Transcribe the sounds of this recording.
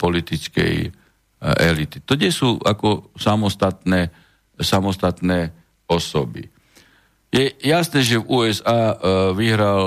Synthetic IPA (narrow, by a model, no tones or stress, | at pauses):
pɔlit̪it͡skɛ̰j | ɛ̰lit̪i̥t̪ɔɲɛsuːakɔsamɔst̪at̪nɛː | samɔst̪at̪nɛː | ɔsɔbḭ | jɛjasnɛːʒɛvuːɛzaːʋiɦɾal